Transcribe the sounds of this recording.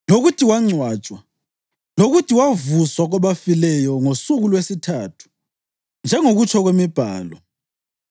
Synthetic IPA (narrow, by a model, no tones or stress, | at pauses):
loɣutʰiwaŋ͡ǀʱwaːt͡ʃʼwa | loɣutʰiwavuswaɣɔβafilɛjɔŋosuɣulwesitʰaːtʰu̥ | nd͡ʒʱɛŋoɣut͡ʃʼʰɔɣwemib̥ʱa̰ːlɔ